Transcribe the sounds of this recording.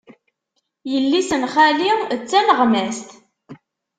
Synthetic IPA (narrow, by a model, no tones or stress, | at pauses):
jəlːisənχælit͡sːænəʁmæst̪